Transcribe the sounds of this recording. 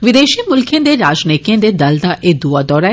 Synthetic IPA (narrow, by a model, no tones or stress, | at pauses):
ʋɪd̪eːʃimʊlkʰẽd̪eɾaːd͡ʒneːkijẽd̪ed̪ɐld̪aʔed̪uad̪ɔːɾa